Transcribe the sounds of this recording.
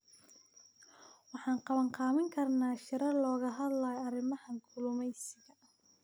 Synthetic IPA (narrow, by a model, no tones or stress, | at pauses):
wɑħɑːnqɑβɐŋqɑːmɪŋkʰɐrnaːʃɪɾɐlɔːɣɐɦɐd̪lɐjɐɾɪmɐhɐŋkʰʊlʊmɛjsɪɣɐ